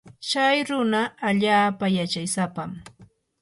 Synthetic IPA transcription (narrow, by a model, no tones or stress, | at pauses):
t͡ʃajɾʊnaːʎaːpajat͡ʃajsapam